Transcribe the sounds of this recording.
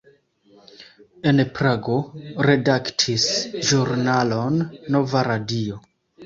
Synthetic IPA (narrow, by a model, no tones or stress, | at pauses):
enpɾaɡo̞ɾe̞daktʰisʒuɾnalo̞nːo̞vaɾadio̞